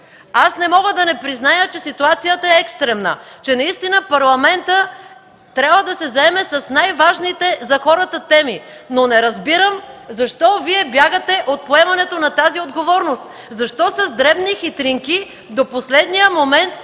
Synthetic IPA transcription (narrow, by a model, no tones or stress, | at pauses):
asnɛmɔɡəd̪ɐnɛpɾiznajət͡ʃɛsit̪uat̪sijət̪ɐɛɛkst̪ɾɛmnə̰t͡ʃɛnɐist̪inəpɐɾlˠɐmɛnt̪ə | t̪ɾʲjabvəd̪ɐsɛzɐɛmɛsɐsnajvaʒnit̪ɛzɐxɔɾət̪ət̪ɛmi | nonɛɾɐzbiɾəmzɐʃt̪ɔviɛbjaɡət̪ɛʔot̪̚poɛmɐnɛt̪onɐt̪aziod̪ɡovɔɾnost̪ | zɐʃt̪ɔsɐzd̪ɾɛbnixit̪ɾiŋki | d̪oposlɛd̪nijəmomɛnt̪̚